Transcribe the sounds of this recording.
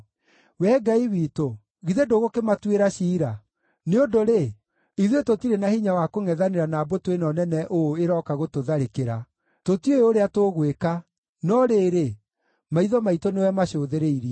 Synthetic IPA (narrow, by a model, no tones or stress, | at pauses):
wɛɡaiwito | ɣiðedoɣokematweɾaɕiːɾa | neondoɾe | iðwetotiɾenahiɲawakoŋɛðaneɾanaːbotwenɔnɛnɛʔoeɾɔkaɣotoðaɾekeɾa | totieoɾeatoɣweka | nɔɾeːɾe | maiðɔmaitonewɛmaɕoːðeɾeiɾia